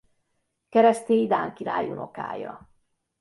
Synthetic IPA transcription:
kɛɾɛst̪eːjd̪aːŋkiɾa̰ːjunʔoka̰ːjɒ̰

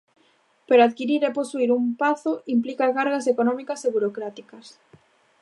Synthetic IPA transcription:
peɾaaðkiɾiɾeposuiɾumpaθoʔimplikakaɾɣasekonɔ̃mikaseβuɾokɾat̪ikɐs

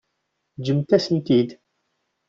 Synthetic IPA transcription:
d͡ʒəmt̪æsənt̪id̪

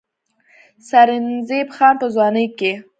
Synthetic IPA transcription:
saɾɪnzebxɑnpəzwɑnəjke

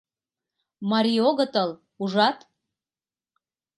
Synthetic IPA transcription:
mɑɾʲioɣɤt̪ɤl | uʒɑt̪

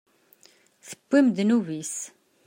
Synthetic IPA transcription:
θəbːimd̪nuvis

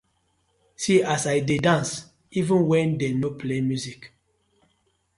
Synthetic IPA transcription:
siasaɪdedãns | ivə̃nwɛ̃ndenopʰlemjuzik

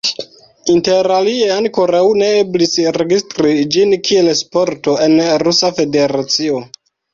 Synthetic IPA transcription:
inte̞ɾalie̞aŋko̞ɾawne̞eblisɾe̞ɡistɾid͡ʒinkʰie̞lspo̞ɾto̞e̞nɾusafe̞de̞ɾat͡sio̞

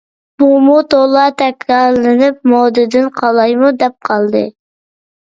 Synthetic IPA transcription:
b̥umut̪olˠɑt̪ʰɛkʲɾɑllɪnɪp̚mɔd̪ɪd̪ɪnqʰɑlˠɑjmud̪ɛp̚qʰɑlˠd̪ɨ̰

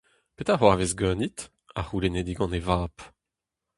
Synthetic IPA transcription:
pet̪aʁwavezɡœːnit̪ | a̰ʁulened̪iɡɑ̃nevaːp

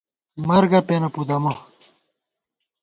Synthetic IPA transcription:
mɐɾɡɐpenɐpud̪ɐmɐ

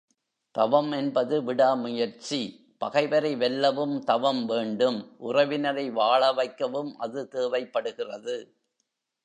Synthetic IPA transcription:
t̪ɐʋɐmɛnbɐðɯʋɪɽaːmʊjɐɾt͡ʃi | pɐɣɐɪʋɐɾɐɪʋɛlːɐʋɯmt̪ɐʋɐmʋeːɳɖɯmʔʊrɐʋɪnɐɾɐɪʋaːɭɐʋɐɪkːɐʋɯmʔɐðɯt̪eːʋɐɪpːɐɽɯɣɪrɐðɯ

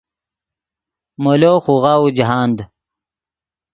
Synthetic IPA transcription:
moloːxuɣaːud͡ʑiɦaːnd̪

